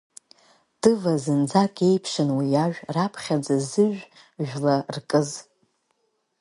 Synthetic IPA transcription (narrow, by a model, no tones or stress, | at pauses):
d̥ɨvazɨnd͡zakʼe̞jpʰʂɨnwijaʒᶣrapʰχʲad͡zazɨʒᶣ | ʒᶣlarkʼɨz